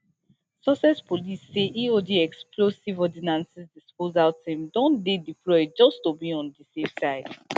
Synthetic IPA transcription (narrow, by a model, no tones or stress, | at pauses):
sɔsɛspolisːeʔiodiɛkspʰlosivɔdinãnsɛsdispozaʊtɛ̃mdɔ̃ndedipʰlɔd͡ʒɔstobiɔ̃ndisefsaɪd̥